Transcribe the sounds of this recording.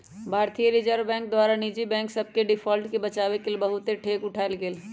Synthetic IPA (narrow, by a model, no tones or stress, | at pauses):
bʱaːɾt̪ijəɾɪd͡ʒəɾʋbɛ̃ːŋk̚d̪waːɾanid͡ʒibɛ̃ːŋksəb̚keɖɪpʰɔːlʈkebɐt͡ʃaːʋekelibəɦʊt̪eʈʰeːkʊʈʰaːelɡeːl